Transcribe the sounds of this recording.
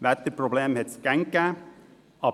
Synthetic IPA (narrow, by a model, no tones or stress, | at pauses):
ʋæt̪əpʰɾʊbleːmhɛt̪skæŋkə | ɑ